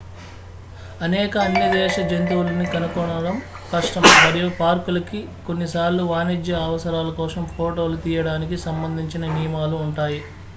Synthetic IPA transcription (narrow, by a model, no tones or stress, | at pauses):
ɐnɛːkɐɐnːɐd̪ɛːʃɐd͡ʒent̪̬uwulɐnikɐnukɔɳɐɽɐm | kɐʂʈɐmmɐɾijupaːɾkulɐkiko̞nːisaːɾlːuʋaːnid͡ʒjɐːʋɐsɐɾaːlɐkɔːsɐmpʰoːʈo̞ːlut̪iːjɐɽaːnikisɐmbɐnd̪ʱiɲt͡ʃinɐnijmaːluːɳʈaːji